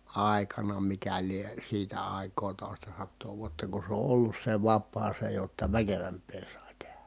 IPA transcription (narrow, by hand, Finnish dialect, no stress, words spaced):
ɑˑekɑnɑ mikæ lie siːtæ ɑˑi̯kˑoː toˑi̯stɑsɑtːoː ʋuotːɑ ku se o ʔolːus se ʋɑpːɑː se jotːɑ ʋækeʋæmpˑeː sɑˑi̯ tehæ